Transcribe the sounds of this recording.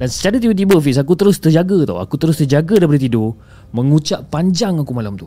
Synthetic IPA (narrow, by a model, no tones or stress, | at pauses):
dansə̥t͡ʃaɾat̪ibət̪̬ibəfiʔs̬akut̪əɾʊst̪ərd͡ʒaɡət̪a̰wa̰kut̪əɾʊst̪ərd͡ʒaɡadaipadit̪̬ido | mə̃ŋut͡ʃaʔ̚paɲd͡ʒaŋakumalamt̪u